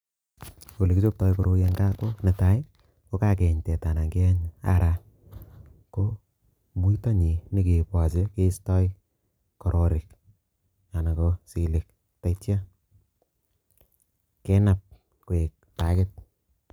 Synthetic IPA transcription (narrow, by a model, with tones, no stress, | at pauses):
o˨le˨kɪt͡ʃo˦p̚tɔ˦jko˨ɾo˦ja˧ŋɡa˦ko˦nɪ˨ta˦ɪ˦ | ko˦ka˦k̬ɛ˨ɲtɛ˨ta˨na˨ŋɡe˦a˦ɲa̰˦ɾa˦ | ko˦ | mu˦i˦ta˦ɲi˨ni˦ke˨pwa˨se˦ke˦stɔ˦i˦ | kɔ˨ɾʔɔ˨ɾɪ˨k | a˨na˨ko˦si˨lɪ˨k̚ | ta˨itja˦ | kɛ˦na˨p̚ | ko˨e˨k̚ta˨˦kɪ˦t̚